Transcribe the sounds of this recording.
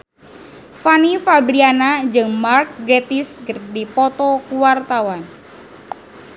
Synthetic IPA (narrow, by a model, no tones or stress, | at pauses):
fanifabɾianad͡ʒɨŋmark̚ɡɾet̪iskərdipɔt̪ɔkuwart̪awan